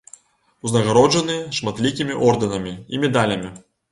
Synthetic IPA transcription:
uznɐɣaɾɔʐɐnɨʂmat̪lʲik̬ʲimʲiʔɔrd̪ɐnɐmʲiḭmʲɛd̪alʲɐmʲi

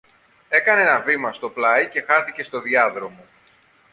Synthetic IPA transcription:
e̞kɐnenɐvimɐst̪o̞plɐice̞xɐɾθice̞st̪o̞ðiɐðɾo̞mo̞

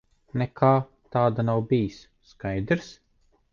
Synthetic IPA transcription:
nɛkʰaː | t̪aːd̪anawbijisːkajd̪ɾs

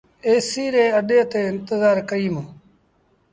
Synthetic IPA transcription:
eːsiːɾeːəɗeːt̪eːɪnt̪əzaːɾkəɾiːmː

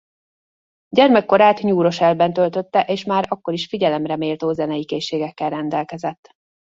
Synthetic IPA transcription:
ɟɛrmɛkːo̞ɾaːt̪ɲuːɾo̞ʃɛlbɛnt̪ø̞lt̪ø̞t̪ːɛʔeːʃmaːɾɒkːo̞ɾiʃfiɟɛlɛmrɛmeːlt̪oːzɛnɛjikeːʃːeːɡɛkːɛlrɛnd̪ɛlkɛzɛt̪ː

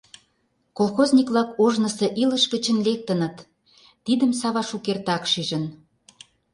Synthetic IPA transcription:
kolˠxozʲnʲikβlɑkoʒnə̆sĕʔilə̆ʃɡət͡ɕə̆nlek̚t̪ənə̆t̪ː | id̪ə̆msɑβɑʃukert̪ɑkʃiʒə̆n

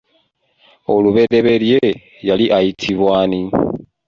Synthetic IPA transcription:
oluβe̞ɾe̞βe̞lje | jaliʔajitʰiβwaːni

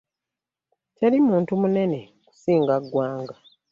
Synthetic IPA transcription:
ceɾimuːntumune̞ne̞ | ku̥siːŋɡaɡwaːŋɡa

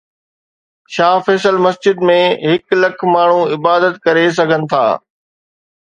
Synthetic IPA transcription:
ʃaːfɛːsəlmɐsd͡ʑɪd̪mẽɦɪklɐkʰmaːɳ̤ũɪbaːd̪ət̪kɐɾes̬ɐɡʱənɪ̆t̪ʰa̰ː

